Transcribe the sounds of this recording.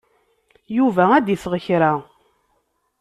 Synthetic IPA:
juvææd̪iθʁəçɾa

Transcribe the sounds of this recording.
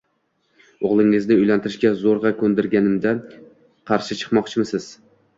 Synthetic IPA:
oʁlˠɪŋɪznɪʊjlant̪ʰɪɾɪʃkʲazoɾʁɑkʰɵnd̪ɪɾɡʲanɪmd̪a | qʰɑɾʃɪt͡ʃʰɨ̥qmɒqt͡ʃʰɪmɪsɪz̥

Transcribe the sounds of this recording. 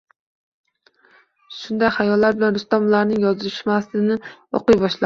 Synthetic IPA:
ʃʊnd̪ajχajɒlːaɾbɪlanɾʊst̪ɒmʊlˠaɾnɪŋjɒzɪʃmasɪnɪo̰qɨjbɒʃla

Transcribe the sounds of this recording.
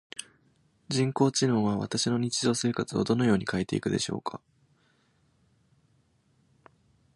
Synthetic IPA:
d͡ʑĩŋko̞ːt͡ɕino̞ːβaβa̰t̪aɕino̞ɲ̟it͡ɕiʑo̞ːse̞ːkat͡sɨo̞̰d̪o̞no̞jo̞ːɲ̟ikaet̪e̞ḭkɯ̟d̪e̞̰ɕo̞̰ːkʰa

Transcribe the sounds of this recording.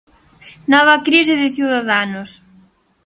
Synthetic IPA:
nɔβɐkɾis̬ɪðɪθjuðaðanʊs

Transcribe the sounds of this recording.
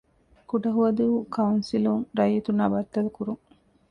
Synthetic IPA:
kuɖɐɦuɐd̪uukɐunsiluŋɾɐjit̪unɐbɐt̪ːɐlukuɾuŋ

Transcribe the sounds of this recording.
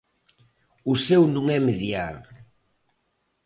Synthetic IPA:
usɛwnũŋɛmeðjal

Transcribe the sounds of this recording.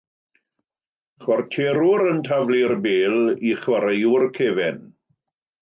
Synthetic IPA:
χwɔrtʰeːɾʊɾəntʰavlirbeːlˠiχwaɾejʊrkʰeːvɛn

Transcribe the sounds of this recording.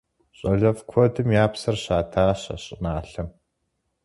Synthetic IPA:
ɕʼɐɮɐvkʷʰɔdɨmjaːpsɐrɕaːtʰaːɕɐ̰ɕʼɪnaːɬɐm

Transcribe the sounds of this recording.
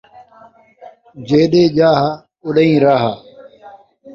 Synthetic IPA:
d͡ʒeːɗeːd͡ʒaːɦa | ʊɗəĩːɾaːɦaː

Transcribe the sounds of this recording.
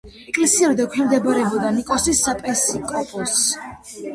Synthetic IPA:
ɛkʼlɛsiɛɾid̪akʰɛmd̪ɛbaɾɛbɔd̪anikʼɔsisːapʼɛsikʼɔpʼɔs

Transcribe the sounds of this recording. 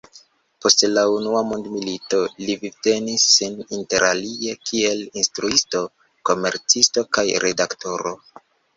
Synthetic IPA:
po̞stlaunuamondmilito̞livite̞nisːininte̞ɾalie̞kʰie̞linstɾuisto̞ | ko̞me̞ɾt͡sisto̞kajɾʔe̞dakto̞ɾo̞̰

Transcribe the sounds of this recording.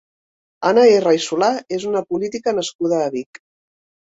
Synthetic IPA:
anaerajsulaezunəpulit̪ikənəskuð̞əːβik

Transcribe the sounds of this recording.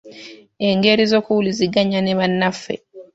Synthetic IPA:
eŋɡeɾizokuuliziɡaɲaneβanːafḛ

